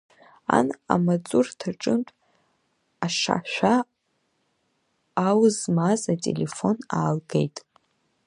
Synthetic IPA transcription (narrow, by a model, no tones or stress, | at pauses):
a̰na̰mat͡sʼurtʰaʈ͡ʂʼɨntʷʼ | aʂa̰ʃᶣʷa | wzmazatʼḛlefo̞naːlɡejtʼ